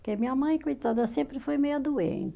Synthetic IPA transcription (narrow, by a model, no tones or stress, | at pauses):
ɾkemĩɲɐmɐ̃j̃kujt̪ad̪ɐsẽmpɾɪfojmejɐd̪uḛ̃t̪